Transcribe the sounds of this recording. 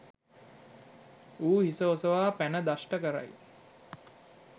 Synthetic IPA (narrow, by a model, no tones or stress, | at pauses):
uːhisəosəʋaːpænəd̪asʈəkəɾa̰j